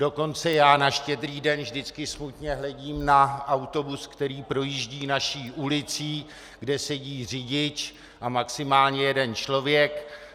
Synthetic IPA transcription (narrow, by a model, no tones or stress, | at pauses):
do̞ko̞nt͡sɛjaːnaʃcɛdɾiːdɛnvʒdɪt͡skɪsmut̪ɲɛɦlɛɟiːmnaawt̪o̞buskt̪ɛɾiːpɾo̞jiːʒɟiːnaʃiːʔulɪt͡siː | ɡdɛsɛɟiːr̝ɪɟɪt͡ʃ | ʔamaksɪmaːlɲɛjɛdɛnt͡ʃlo̞vjɛk